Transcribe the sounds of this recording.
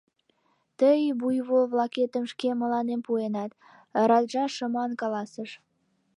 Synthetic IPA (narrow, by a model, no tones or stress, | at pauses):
t̪əjbujβolβlɑket̪əmʃkemə̆lɑnempuenɑt̪ | ɾɑd̪ʒɑʃəmɑnkɑlɑsəʃ